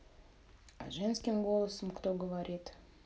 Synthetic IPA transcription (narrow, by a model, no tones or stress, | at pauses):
a̰ʒɛnskʲimɡo̞lˠəsəmkt̪oɡəvaɾʲit̪